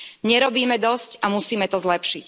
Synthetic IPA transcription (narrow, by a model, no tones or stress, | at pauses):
ɲɛɾɔbiːmɛd̪ɔscamusiːmɛt̪ɔzlɛpʃic